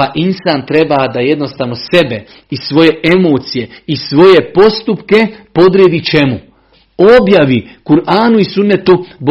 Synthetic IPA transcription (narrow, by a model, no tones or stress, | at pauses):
aʔinsaːnt̪ɾe̞bad̪aje̞d̪no̞st̪aːʋno̞se̞be̞ | isʋo̞je̞ʔe̞moːt̪sije̞isʋo̞je̞po̞st̪upke̞po̞d̪ɾed̪it͡ʃe̞mu | o̞bjaʋikuɾʔaːnuisunːet̪ub